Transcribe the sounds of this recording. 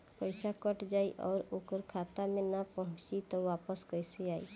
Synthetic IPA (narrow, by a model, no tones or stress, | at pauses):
pəɪsakəʈd͡ʒaːiʔɔːɾʊkəɾkʰaːt̪amẽnapɔɦʊ̃t͡ʃit̪ɔʋaːpəskəɪseaːḭ